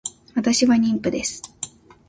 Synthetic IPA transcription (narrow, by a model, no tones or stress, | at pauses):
βat̪aɕiβaɲ̟ĩmpɯ̟d̪e̞sɨ̥